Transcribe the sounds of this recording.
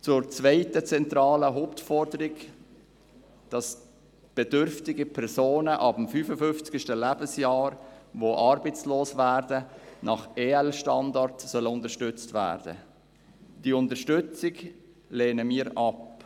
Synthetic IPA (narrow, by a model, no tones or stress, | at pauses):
t͡sʊɾt͡svɛɪtət͡sɛntɾɑːləɦoʊptfɔɾdəɾɪɡ | d̥ɑs | b̥ɛdʏɾftɪɡəpʰɛɾsoːnəʔɑb̥əmfyːfəfʏnft͡sɡʃtəlæbəsjɑːɾvoʔɑːɾbəɪt͡sloːsvæːɾdənʔɑχeːɛlʃtɑndɑɾtsœləʊndəʃtʏt͡stvæ̰ːɾd̥ə̰ | d̥iːəʊntəʃtʏt͡sɪɡ | leːnəmiːɾʔɑp